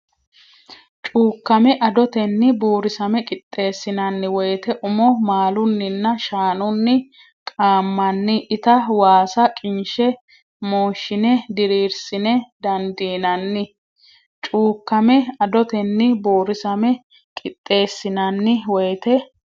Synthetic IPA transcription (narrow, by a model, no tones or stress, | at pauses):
t͡ʃʼuːkːɐmɛʔɐd̪ɔt̪ɛnːɪboːɾɪsɐmɛkʼɪt̪ʼːe̞ːsːɪnɐnːɪwɔjt̪ɛʔʊmɔmaːlʊnːɪnːɐʃaːnʊnːɪ | kʼaːmːɐnːɪʔɪt̪ɐwaːsɐkʼɪnʃɛ | moːʃːɪnɛd̪ɪɾiːɾsɪnɛd̪ɐnd̪iːnɐnːɪ | t͡ʃʼuːkːɐmɛɐd̪ɔt̪ɛnːɪboːɾɪsɐmɛ | kʼɪt̪ʼːe̞ːsːɪnɐnːɪwɔjt̪ɛ